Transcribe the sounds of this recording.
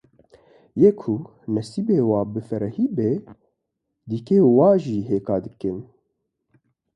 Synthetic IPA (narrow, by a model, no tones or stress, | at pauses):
jeːkʰu | nɛsibeːwɑːbɨfɛɾɛhiːbeː | d̪ikeːwaːʒiːɦeːkɑːd̪ɨkɨn